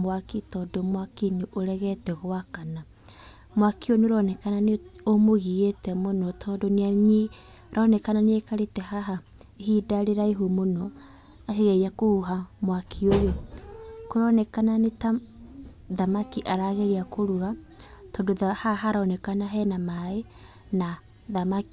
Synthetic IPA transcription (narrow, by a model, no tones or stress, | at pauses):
mwakitɔdomwakiniʔoɾɛɣɛtɛɣoakana | mwakioneoɾɔnɛkananeomoɣiɣetɛmonɔtʰɔdoneaɲi | ɾʔɔnɛkananeekaɾetɛhaɦa | ehidaɾeɾaeɦumonɔ | aheɣɛɾiakouɦamwakʰiojo | koɾɔnɛkananeta | ðamakiʔaɾaɣeɾiakoɾua | tɔndoðahaɦaɾaɔnɛkanaɦɛnamae | na | ðamaki